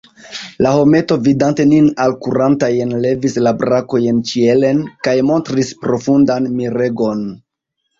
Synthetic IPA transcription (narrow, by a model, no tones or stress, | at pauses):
laho̞me̞to̞vidante̞ninalkuɾantajenle̞vislabɾako̞jent͡ʃie̞le̞nkajmo̞ntɾispɾo̞fundanmiɾe̞ɡo̞n